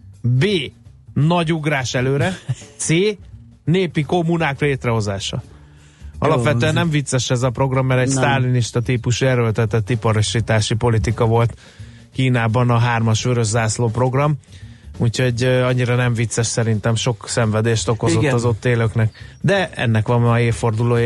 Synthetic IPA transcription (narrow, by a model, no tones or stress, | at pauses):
beːnɒɟuɡraːʃɛløːɾɛt̪seː | neːpiko̞mːunaːkleːt̪rɛɦo̞zaːʃɒ̰ | ɒ̰lɒpʋɛt̪øɛnɛɱvit̪sːɛʃɛzɒpro̞ɡrɒmːɛɾɛɟst̪aːliniʃt̪ɒt̪iːpuʃuɛɾølt̪ɛt̪ɛt̪ːipɒɾoʃit̪aːʃipo̞lit̪ikɒvo̞lt̪ | kiːnaːbɒnɒɦaːrmɒʃøɾøʒːaːsloːpro̞ɡrɒmucho̞ɟɒɲːiɾɒnɛɱvit̪sɛʃsɛɾint̪ɛmʃo̞ksɛɱvɛd̪eːʃt̪o̞kozoːɒzo̞t̪ːeːløknɛkd̪ɛɛ̰nːɛkʋɒmeːfo̞rd̪uloːj